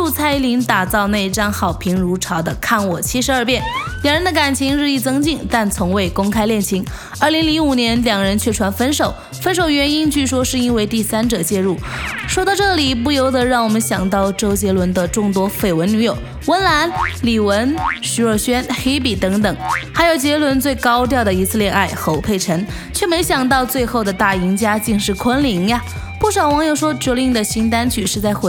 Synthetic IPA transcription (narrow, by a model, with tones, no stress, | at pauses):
u˥˧t͡sʰa˥ɪli˧˥ŋt̪a˨˩t͡sɑ˥˧ʊna˥˧ɪ˧ʈ͡ʂa˥nxɑ˨˩ʊpʰi˧˥ŋɻu˧˥ʈ͡ʂʰɑ˧˥ʊd̪ə˧kʰa˥˩nwɔ˨˩t͡ɕʰi˥ʂɻ̩˧˦ə˞˥˧pjɛ˥˩nljɑ˨˩ŋɻə˧˥nd̪ə˧ka˨˩nt͡ɕʰi˧˥ŋɻɻ̩˥˧i˥˩t͡sɤ˥ŋt͡ɕi˥˩ŋt̪a˥˩nt͡sʰʊ˧˥ŋwe˥˩ɪkʊ˥ŋkʰa˥ɪljɛ˥˩nt͡ɕʰi˧˥ŋ | ə˞˥˩li˧˥ŋli˧˥ŋu˨˩njɛ˧˥nljɑ˨˩ŋɻə˧˥nt͡ɕʰɥɛ˥˩ʈ͡ʂʰwa˧˥nfə˥nʂo˨˩ʊ | fə˥nʂo˨˩ʊɥɛ˧˥ni˥nt͡ɕy˥˩ʂwɔ˥ʂɻ̩˥˧i˥nwe˥˧ɪt̪i˥˩sa˥nʈ͡ʂɤ˨˩t͡ɕjɛ˥˧ɻu˥˩ʂwɔ˥t̪ɑ˥˧ʊʈ͡ʂɤ˥˩li˨˩p̬u˥˩jo˧˥ʊd̪ɤ˧˥ɻɑ˥˩ŋwɔ˨˩mə˦nɕjɑ˨˩ŋt̪ɑ˥˩ʊʈ͡ʂo˥ʊt͡ɕjɛ˧˥lwə˧˥nd̪ə˧ʈ͡ʂʊ˥˩ŋt̪wɔ˥fe˥˩ɪwə˧˥ny˧˥jo˨˩ʊ | wə˧˥nla˧˥nli˨˩wə˧˥nɕy˧˥ə˥˧˩ɕɥɛ˥nxe˥ɪp̬i˨˩t̪ɤ˧˥ŋt̪ɤ˨˩˦ŋxa˧˥ɪjo˨˩ʊt͡ɕjɛ˧˥lwə˧˥nt͡swe˥˩ɪkɑ˥ʊt̪jɑ˥˩ʊd̪ə˩i˧˥sɹ̩˥˧ljɛ˥˧na˥˩ɪxo˧˥ʊpʰe˥˩ɪʈ͡ʂʰə˧˥nŋ | t͡ɕʰɥɛ˥˩me˧˥ɪɕjɑ˨˩ŋt̪̬ɑ˥˧ʊt͡swe˥˧ɪxo˥˩ʊd̪ə˩t̪a˥˩i˧˥ŋt͡ɕja˥t͡ɕi˥˧ŋʂɻ̩˥˩kʰwə˥nli˧˥ŋa˧ | pu˥˩ʂɑ˨˩ʊwɑ˧˥ŋjo˨˩ʊʂwɔ˥ʈ͡ʂɛ˧˥li˥˧ŋd̪ə˨ɕi˧˥ŋt̪̬a˥nt͡ɕʰy˨˩ʂɻ̩˥˧t͡sa˥˧ɪxw